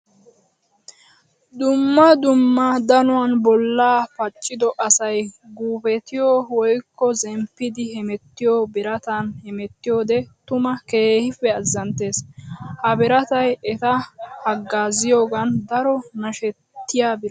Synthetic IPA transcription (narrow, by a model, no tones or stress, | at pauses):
d̪ʊmːɐd̪ʊmːɐd̪ɐnʊwanbɔlːaːpɐt͡ʃʼːɪd̪ɔʔɐsɐjɡuːpɛt̪ɪjoːwɔjkːɔzɛmpːɪd̪ɪhɛmɛt̪ːɪjoːbɪɾɐt̪ɐnhɛmɛt̪ːɪjo̞ːd̪ɛt̪ʊmɐke̞ːhɪfɛɐzːɐnt̪e̞ːshɐbɪɾɐt̪ɐjɛt̪ɐhɐɡːaːzɪjoːɡɐnd̪ɐɾɔnɐʃɛt̪ːɪjaːbɪɾ